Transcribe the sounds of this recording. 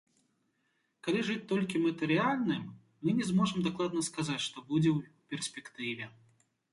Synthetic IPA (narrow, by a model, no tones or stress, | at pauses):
kalʲiʐɨt͡sʲt̪ɔlʲkʲimɐt̪ɨɾɨalʲnɨmː | ɨnʲɛzmɔʐɨmd̪aklˠad̪nɐskazat͡sʲʂt̪ɔbud͡zʲɛwpʲɛrsʲpʲɛkt̪ɨvʲɛ